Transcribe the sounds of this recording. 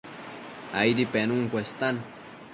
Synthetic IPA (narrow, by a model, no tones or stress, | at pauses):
ajɾipenuŋkʷest̪an